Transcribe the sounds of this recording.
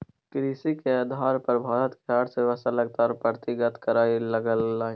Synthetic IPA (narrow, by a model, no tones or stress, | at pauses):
kɾiːsikeaːd̪ʱaːɾpɐɾbʱaːɾət̪keaːɽseʋɐsaləɡ̚t̪aːɾpɾət̪ɪɡət̪kɐɾaːilɐɡəlːaːi